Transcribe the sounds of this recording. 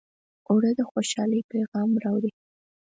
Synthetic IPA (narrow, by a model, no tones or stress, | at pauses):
oɽəd̪əxoʃɑləjpejɣɑmɾɑwɾi